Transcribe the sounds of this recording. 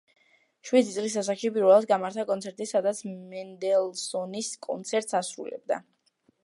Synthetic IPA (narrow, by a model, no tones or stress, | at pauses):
ʃwid̪it̪sʼlis̬as̬aχʃipʼiɾvɛlˠad̪sɡamaɾt̪ʰakʼɔnt̪sʰɛɾt̪ʼisad̪at̪sʰmɛnd̪ɛlˠsɔniskʼɔ̰nt̪sʰɛɾt̪ʼsasɾṵlɛ̰b̚d̪a̰